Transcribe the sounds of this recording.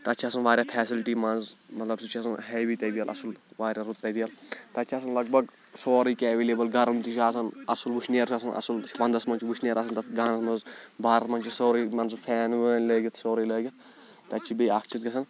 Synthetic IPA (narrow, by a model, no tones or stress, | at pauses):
t̪ɐt͡ʃʰiɐsɐnʋaːɾʲjaːpʰɛːsilʈiːmɐnzmɐt̪lɐbsut͡ʃʰiɐsɐnɦɛːbiːt̪ɐb̪ijɐlʔɐ̰sɨlʋaːɾʲjaːɾut̪̚t̪ɐb̪ijɐlt̪ɐt͡ʃʰiɐs̬ɐnlɐɡ̚bɐɡ | soːɾiːkeʋeːleːbɐlɡɐɾɐmt̪it͡ʃʰaːs̬ɐnɐsɐlʋuʃʰneːɾt͡ʃʰɐsɐnɐ̰sulʋɐnd̪ɐsmɐnt͡ʃʰiʋuʃnʲeːɾɐsɐnt̪ɐt̪ɡaːnɐsmɐzbʱaːɾɐt̪mɐnt͡ʃisoːɾimɐnzpʰɛːnʋəːnʲləːɡit̪ʰsoːɾiːləːɡʲit̪ʰ | t̪ɐt͡ʃʰibiːaːkt͡ʃʰit̪ɡɐs̬ɐn